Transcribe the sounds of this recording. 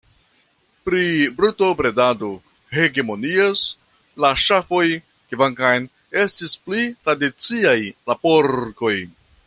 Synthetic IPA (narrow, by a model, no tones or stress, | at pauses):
pɾibɾutopɾe̞dado̞ | he̞ɡe̞mo̞nios | laʃafo̞j | kivaŋkajn | e̞stisplitɾadit͡siajlapo̞ɾko̞j